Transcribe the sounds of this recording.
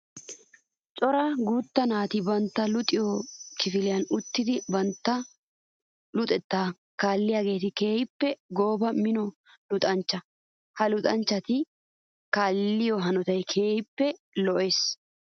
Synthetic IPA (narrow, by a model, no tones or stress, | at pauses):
t͡ʃʼɔɾɐɡuːt̪ːɐnaːt̪ɪbɐnt̪ːɐlʊt̪ʼɪjɔkɪfɪlɪjɐnʊt̪ːɪd̪ɪbɐnt̪ːɐ | lʊt̪ʼɛt̪ːaː | kaːlːɪjaːɡe̞ːt̪ɪke̞ːjɪpːɛɡoːbɐmɪnɔ | lʊt̪ʼɐnt͡ʃːɐ | hɐlʊt̪ʼɐnt͡ʃːɐt̪ɪ | kaːlːɪjɔɦɐnɔt̪ɐjkʰeːjɪpːɛ | lɔʔe̞ːs